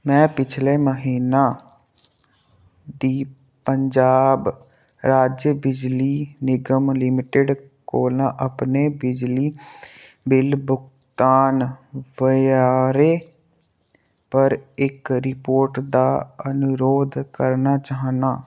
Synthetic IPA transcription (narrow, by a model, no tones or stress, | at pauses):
mɛ̃ːpɪt͡ʃʰleːməɦiːnaː | d̪iː | pəɲd͡ʒaːb | ɾaːd͡ʒjəbɪd͡ʒliːnɪɡəmlɪmɪʈeɖ | koːlãːʔəpneːbɪd͡ʒliː | bɪlbʊk | t̪aːnʋəjaːɾeː | pəɾɪkɾɪpoːɾʈd̪aːənʊɾoːd̪kəɾnaːt͡ʃaːɦnaː